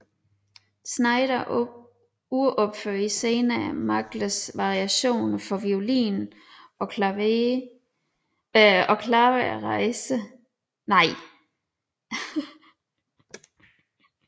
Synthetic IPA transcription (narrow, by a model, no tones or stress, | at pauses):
snɑ̈ɪɾ̥ɐ | uʔɒb̥føɐiseːnæmɑ̈ɡ̥ləsʋɑ̈ʁiæɕo̝̰ːnɐfɒ̽ʋio̝lḭːn | ɒ̽ | ɒ̽kʰlɑ̈ːʋəʁɑɪsə | nɑ̈ɪ̰